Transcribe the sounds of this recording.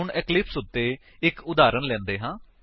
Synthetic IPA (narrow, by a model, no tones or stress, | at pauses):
ʊɳɛːklɪpsʊt̪ːeː | ɪkʊd̪aːɾənlɛ̃ːnd̪eːɦãː